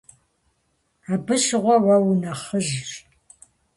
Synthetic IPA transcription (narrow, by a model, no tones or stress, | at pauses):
abɨʃʁʷɔwɐwnɐχəʒr